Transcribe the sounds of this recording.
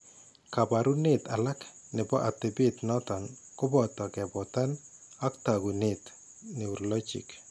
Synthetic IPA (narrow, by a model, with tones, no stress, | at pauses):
ka˨ba˨ɾu˦nɪta˨la˦knɪ˨bɔ˦ʔa˨tɪ˨bɪ˦t̪nɔ˦tɔ˨nkʊ˦bɔ˨tɔ˨kɛ˨bɔ˨ta˦n | a˦ktaɡu˨nɪt | nɪ˨u˨ɾlɔ˦t͡ʃḭ˨k